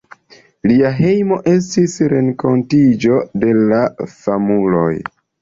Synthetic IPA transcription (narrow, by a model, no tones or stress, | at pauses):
liaɦe̞jmo̞ʔe̞s̬tisɾe̞ŋko̞ntid͡ʒo̞de̞lafamulo̰j